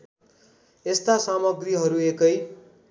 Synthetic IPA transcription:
est̪asamʌɡriɦʌɾuekʌj

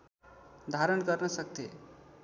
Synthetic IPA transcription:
d̪ʱaɾənkʌɾnʌsʌk̚t̪e

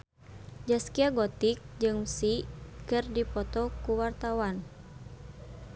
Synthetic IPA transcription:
d͡ʒaskiaɡɔt̪ik̚d͡ʒɨŋsikɨrdipɔt̪ɔkuwart̪awan

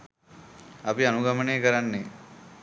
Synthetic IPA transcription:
apianuɡaməneːkəɾanːe

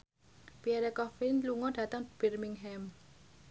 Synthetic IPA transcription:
piɛɾɛkɔfinluŋɔd̥ä̤t̪əŋb̥i̤rmiŋɦɛm

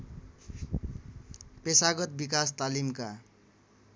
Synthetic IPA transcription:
pesaɡʌt̪̚bikast̪alimka

